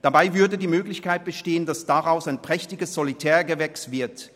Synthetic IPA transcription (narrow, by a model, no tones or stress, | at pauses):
d̥abaɪvʏɐdədiːmøːɡlɪçkaɪt̚b̥əʃteːəndasd̥aʁaʊsaɪnpʁ̥ɛçtɪɡəsz̥ɔlitʰɛːɐɡəvɛkstv̥ɪɐt